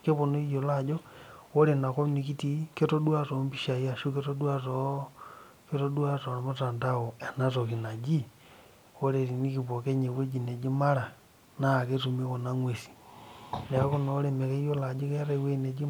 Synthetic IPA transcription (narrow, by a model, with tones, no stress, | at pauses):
ke˦βo˨no˦i˦jo˨lad͡ʒoo˦ɾe˨na˨ko˦ni˨ki˦tike˦to˦dwa˦tombi˦ʃa˨ja˦ʃu˦keto˦du˦a˦to | ke˦to˦duwa˦to˨na˨mota˨ndao˨e˨na˦toki˨na˨d͡ʒi˦ | o˦ɾe˨ɾi˨ni˦kipo˨ke˦ɲe˨we˦d͡ʒine˨d͡ʒi˦ma˦ɾa˨ | na˦˨ke˦tu˨mi˦ko˨na˦ŋwe˨si̥˨ne˨a˦konoː˦ɾe˨me˨ke˦i˦jo˦la˨d͡ʒo˦ke˦ɾeweine˨d͡ʒi˦